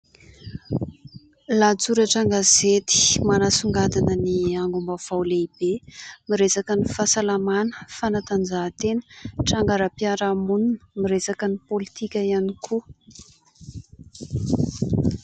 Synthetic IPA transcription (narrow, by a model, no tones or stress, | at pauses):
lat͡suɾəʈ͡ʂaŋɡazet̪i̥manasuŋɡad̪anəniaŋɡumbav̥awleib̥emiɾesakənifasalamanə̥fanat̪and͡ʒat̪enə̥ʈ͡ʂaŋɡaɾəpiaɾamununə̥miɾesakənipolit̪ikʲəianikʰu